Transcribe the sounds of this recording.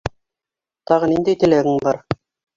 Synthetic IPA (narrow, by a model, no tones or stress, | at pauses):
t̪ɑʁɤ̆nind̪æjt̪ɘ̆læɡɘŋbɑɾ